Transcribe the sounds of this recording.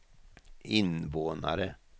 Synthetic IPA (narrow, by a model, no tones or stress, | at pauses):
ʔɪnʋoːna̰ɾə